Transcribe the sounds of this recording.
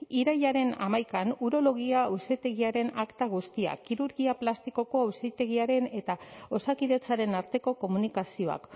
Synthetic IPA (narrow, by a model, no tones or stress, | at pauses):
iɾajʎaɾe̞na̰majkanuɾo̞lo̞ɣ̞iawset̪e̞ɣiaɾe̞nakt̪aɣ̞ust̪ia̰kiɾuɾɣiaplast̪iko̞ko̞awset̪e̞ɣiaɾe̞ne̞t̪ao̞sakiðe̞t͡saɾe̞naɾt̪e̞ko̞ko̞munikasio̞a̰k